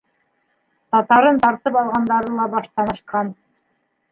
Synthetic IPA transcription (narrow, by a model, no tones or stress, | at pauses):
t̪ɑt̪ɑɾɤnt̪ɑɾt̪ɤpɑlˠʁɑnd̪ɑɾɤlˠɑbɑʃt̪ɑnɤ̆ʃqɑn